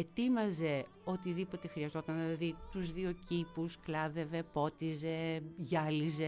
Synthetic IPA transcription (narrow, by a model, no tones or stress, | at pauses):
et̪imɐze̞ | o̞t̪iðipo̞t̪e̞xɾiɐzo̞t̪ɐnniɐðit̪uzðio̞cipusklɐðe̞ve̞po̞t̪ize̞ʝɐlize